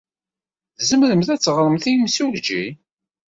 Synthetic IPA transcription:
zəmɾəmθæt͡sːʁɾˤəmθimsuld͡ʒi

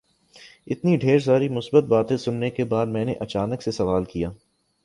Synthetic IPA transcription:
ɪt̪niɖʱeːɾsaːɾimʊsbət̪̚baːt̪ẽsʊnːekebaːd̪mɛ̃ːneʔɐt͡ʃaːnəksesɐʋaːlkijaː

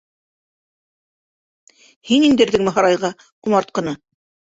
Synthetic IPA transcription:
hinind̪ɘ̆ɾðɘŋmɘ̆ɦɑɾɑjʁɑ | qumɑɾt̪̚qɤ̆nɤ

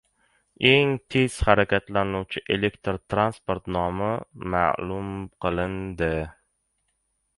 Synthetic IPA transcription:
e̞ŋt̪ʰe̞z̥haɾakʲat̪lanuwt͡ʃʰɪʔe̞lekt̪ɾt̪ʰɾanspoɾt̪nɒmama̰lʊmqʰɨlˠɪnd̪ɪ

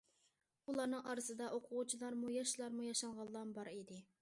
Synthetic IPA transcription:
ulˠɑnɨŋʔɑɾɨsɨd̪ɑʔoqʰʊʁut͡ʃʰilˠɑɾmujɑʃlˠɑɾmujɑʃɑlʁɑlˠːɑnbɑɾid̪ɪ

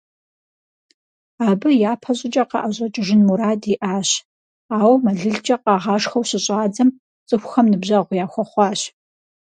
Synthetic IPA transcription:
aːbɨjaːpʰɐɕʼɪt͡ʃʼɐqɑ̰ʔɐʑʼɐt͡ʃʼɪʐɪnmuɾaːdiʔaːɕ | aːwmɐɮɨɮt͡ʃʼɐqɑːʁɑːʂxɐwɕɪɕʼɑːd͡zɐm | t͡sʼɨxʷxɐmnɨbʑɐʁʷjaːxʷɔχʷɑːɕ

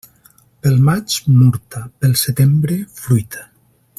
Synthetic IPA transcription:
pelˠmat͡ʃmuɾt̪apelˠset̪embɾefɾujt̪ʰḁ

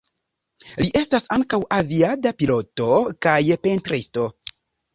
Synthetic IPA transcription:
liʔe̞stasaŋkawʔaviadapilo̞to̞kajpe̞ntɾisto̞

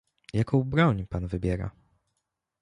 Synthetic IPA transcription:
jakʰɔ̃wbɾɔɲpanvɘbʲjɛɾa̰

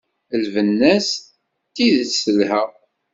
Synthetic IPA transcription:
əlvənːæs | t̪ːiðəsəlhæ

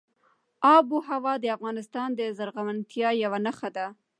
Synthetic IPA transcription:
ɑbuɦawɑd̪əafɣɑnɪst̪ɑnd̪əzaɾɣawant̪jɑjawanaxad̪a

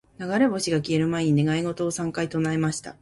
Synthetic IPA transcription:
naɡaɾe̞bo̞ɕiɡakʲie̞ɾɯ̟maiɲ̟ine̞ɡaiɡo̞t̪o̞ːsãŋkait̪o̞naemaɕi̥t̪a̰

